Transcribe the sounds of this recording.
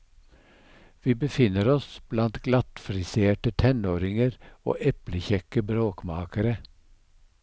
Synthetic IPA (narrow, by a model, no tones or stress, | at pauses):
ʋiːbəfɪnəɾɔsb̥lɑnt̪ɡ̥lɑt̪fɾɪseːʈət̪ʰɛnoːɾɪŋəɾo̰ːʔɛpləçɛkəbɾoːkmɑːkəɾə